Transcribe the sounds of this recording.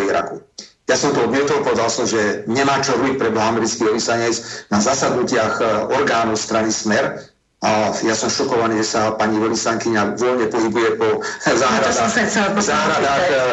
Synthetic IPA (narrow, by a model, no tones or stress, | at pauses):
iɾa̰kujasɔmt̪ɔɔd̪mɪɛt̪ɔlpɔʋɛd̪alsɔmʒɛɲɛmaːt͡ʃɔɾuik̚pɾɛbɔɦamɛɾit͡skiːʋɛlisaɲɛt͡snazasad̪nucɪaxɔɾɡaːnɔʊst̪ɾanismɛɾ | ajasɔmʃɔkɔʋaniːʒɛsapaɲiʋɛlisaŋkiɲaʋɔlɲɛpɔɦibujɛpɔzaːɦɾad̪sɛt͡sɛlzaːɾad̪aːx